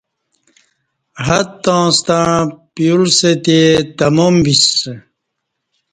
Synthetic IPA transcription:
ɦɐt̪ːõːst̪apijulset̪et̪ɐmombis

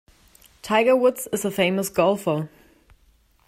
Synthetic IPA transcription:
tʰaɪɡəwʊdsɪzəfeɪməsɡ̥ɔlˠfə

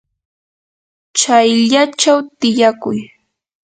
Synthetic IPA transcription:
t͡ʃajʎat͡ʃawt̪ɪjakʊj

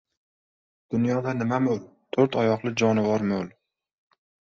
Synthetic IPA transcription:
d̪̥ʊnjɒd̪anɪmamol | t̪ʰɵɾt̪ʰɒjɒqlˠɪd͡ʒɒnɪvɒɾmol

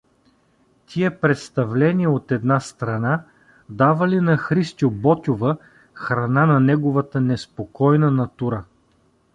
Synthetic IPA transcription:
t̪ʲʰiɛpɾɛt̪st̪ɐvlɛniəot̪ɛd̪nast̪ɾɐna | d̪avɐlinɐxɾist̪ʲjobɔt̪ʲovə | xɾɐnanɐnɛɡʊvɐt̪ənɛspokɔjnənɐt̪uɾə

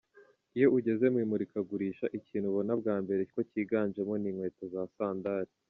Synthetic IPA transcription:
ijo̞ʔuɟe̞ze̞mwiːmuɾikaɡuɾiːʃaʔiciːnhuβonab̚ɡaːmbe̞ɾekociːɡaːnd͡ʒe̞mo̞niːŋwe̞ːtozasaːndaɾi

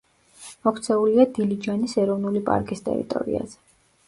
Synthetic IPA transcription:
mɔkʰt̪sʰɛuliad̪ilid͡ʒanisɛɾɔvnulipʼa̰ɾkʼist̪ʼɛ̰ɾḭt̪ʼɔ̰ɾḭa̰z̥ɛ̥

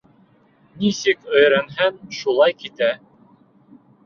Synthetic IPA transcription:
nisɘkɵ̆jɾænɦænʃulˠɑjkit̪æ

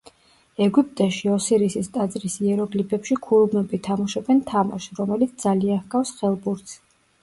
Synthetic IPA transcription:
ɛɡup̚ʼt̪ʼɛʃiɔsiɾisist̪ʼad̪zɾisiɛɾɔɡlipʰɛpʃikʰuɾubnɔbit̪ʰamɔʃɛbɛnt̪ʰama̰ʃɾɔmɛlit̪̚ʰd̪zalianhɡafsχɛlˠbuɾt̪s

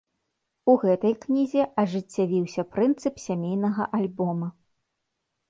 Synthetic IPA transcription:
uɣɛt̪ɐjknʲizʲɛʔɐʐɨt͡sʲːavʲiwsʲɐpɾɨnt̪sɨpsʲamʲejnɐɣɐʔalʲbɔmɐ

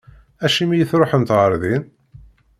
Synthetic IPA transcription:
æʃimijəθɾoħənt̪ʁəɾðin

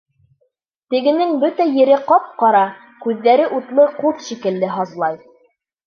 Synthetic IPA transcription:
t̪ɘ̆ɡɘ̆nɘŋbɵt̪æjɘ̆ɾɘqɑp̚qɑɾɑ | kʉðːæɾɘʔut̪lˠɤquðʃikɘ̆lːɘɦɑzlˠɑj

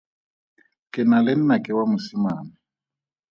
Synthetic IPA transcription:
kʼɪnalɪn̩nakʼɪwamusimaːnɪ

